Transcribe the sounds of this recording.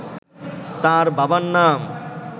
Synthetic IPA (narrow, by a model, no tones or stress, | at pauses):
t̪aɾbabanːaːm